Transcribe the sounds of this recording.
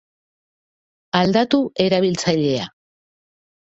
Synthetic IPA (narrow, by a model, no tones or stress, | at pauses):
ald̪at̪ue̞ɾaβilt͡saʎe̞a̰